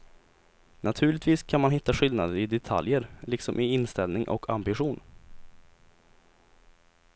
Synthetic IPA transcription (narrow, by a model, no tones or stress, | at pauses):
nat̪ʰʉ̟ːɭɪt̪viːskʰanmanɦɪt̪ːaɧʏld̪nad̪əɾɪd̪ɛt̪ʰa̰ljəɾlɪksɔmʔɪɪnst̪ɛlnɪŋʔɔ̰kʰa̰mbɪɧuːn